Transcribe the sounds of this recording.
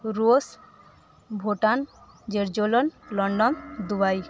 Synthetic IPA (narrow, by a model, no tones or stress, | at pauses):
ɾos | bʱoʈan | d͡ʒeɾd͡ʒolɔnlɔɳɖɔnd̪ubaj